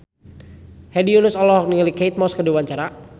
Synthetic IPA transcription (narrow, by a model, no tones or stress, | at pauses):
hɛdiunʊsɔlɔɦɔk̚niŋəlikejt̪̚mɔskədiwaɲt͡ʃaɾa